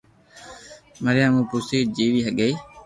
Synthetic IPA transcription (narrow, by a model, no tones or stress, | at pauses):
məɾɪjaːmũːpusiːd͡ʒiːʋiːɦəɠəiː